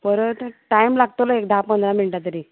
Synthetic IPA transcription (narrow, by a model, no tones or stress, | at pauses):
pəɾət̪ʈaimlaɡ̚t̪olɔek̚d̪ʱapmənd̪lamiɭʈat̪̬əɾi